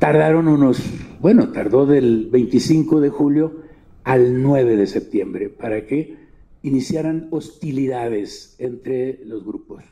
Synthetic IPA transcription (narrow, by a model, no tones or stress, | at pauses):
t̪aɾðaɾo̞nũno̞sbwe̞no̞t̪aɾðo̞ðe̞lβejnt̪isiŋko̞ðe̞xuljo̞ | alnwe̞β̞e̞ðe̞se̞p̚t̪je̞mbɾe̞paɾake̞ | inisjaɾano̞st̪iliðaðe̞sent̪ɾe̞lo̞zɣɾupos